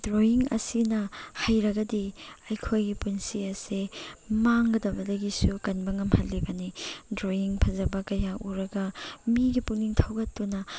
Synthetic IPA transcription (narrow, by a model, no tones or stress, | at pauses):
dɾoiŋɐ̰sinɐhajɾɐɡɐdiɐjkʰojɡipunsiɐsemaŋɡɐdɐbɐdɐɡisukɐnbɐŋɐmhɐlːibɐnidɾoiŋpʰɐzɐbɐkɐjaʔuɾɐɡɐmiɡipuniŋtʰawɡɐtːunɐ